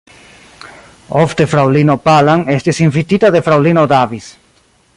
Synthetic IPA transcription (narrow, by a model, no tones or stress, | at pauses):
oft̪efɾawlinopalaŋest̪esiɱfit̪it̪aðefɾawlinod̪aβis